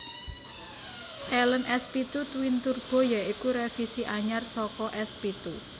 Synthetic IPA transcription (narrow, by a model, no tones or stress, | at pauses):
selənɛspit̪ut̪wint̪urb̥ɔ̤jaikuɾefisiʔaɲarsɔkɔʔɛspit̪u